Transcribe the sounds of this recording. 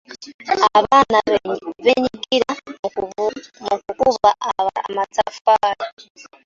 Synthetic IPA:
aβanaβeɲikiɾa | mukukuβaʔaβaa̰mat͡safaɾa

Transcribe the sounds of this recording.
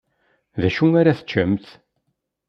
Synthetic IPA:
ðæʃuaɾaθə̥t͡ʃːəmθ

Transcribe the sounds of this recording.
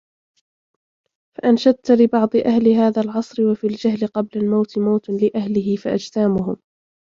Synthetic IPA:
faʔanʃad̪̚t̪lɪbɑʕd̪ˤɨʔahlɪɦaːðaːlʕɑsˤɾɪwafiːld͡ʒaɦlɪqɑblalmawt̪ɪmawt̪lɪʔahlɪɦɪfaʔa̰d͡ʒt̪aːmʊɦʊm

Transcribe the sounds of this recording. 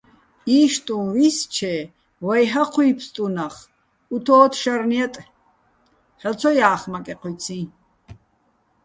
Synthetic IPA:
iːʃt̪ʼũvist͡ʃʰɛ | wajɦaqʰujpʰst̪ʼunaχ | ut̪ʰɔːt̪ʰʃaɾniat̪ʼ | hɛt͡sʰɔjaːχmakʼɛqʰuj̪t͡sʰĩ

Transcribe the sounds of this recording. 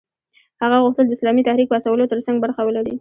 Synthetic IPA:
haɣaɣuxt̪əld̪əɪslɑmit̪ahɾik̚pəast̪awəlot̪əɾsaŋɡ̚baɾxawəlaɽi

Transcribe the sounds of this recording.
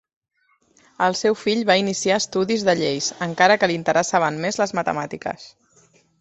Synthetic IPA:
əlˠsɛwfiʎβainisiast̪uðizðəʎejsəŋkaɾəkəlint̪əɾəsaβəmmezləzmət̪ə̰mat̪ikə̰s

